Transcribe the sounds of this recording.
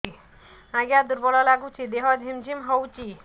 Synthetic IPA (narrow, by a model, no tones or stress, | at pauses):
aɡjad̪uɾbɔlɔlaɡut͡ʃʰid̪eɦɔd͡ʒʱimd͡ʒʱimɦɔwt͡ʃi